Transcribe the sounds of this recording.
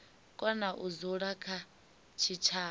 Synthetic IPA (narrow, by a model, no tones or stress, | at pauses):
kʼɔnaʔuzuɺakʰa | t͡ʃʰit͡ʃʰaː